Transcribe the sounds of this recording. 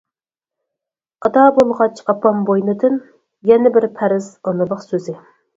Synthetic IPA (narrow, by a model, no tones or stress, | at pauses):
ɑd̪ɑːbolˠʁɑt͡ʃʰɑpʰɑmbojnɨd̪ɨn | jɛnɪbɪɾpʰæɾɪz̥ɑnɨləqsøzɪ